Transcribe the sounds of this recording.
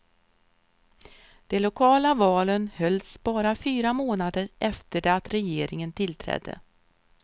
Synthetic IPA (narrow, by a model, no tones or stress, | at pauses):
d̪̥ɛlʊkʰɑːlavɑːlənhœlsbɑːɾafyːɾamoːnad̪əɾʔɛft̪əɖɛat̪ɾɛjeːɾɪŋənt̪ʰɪlt̪ʰɾɛ̰d̪ːə̰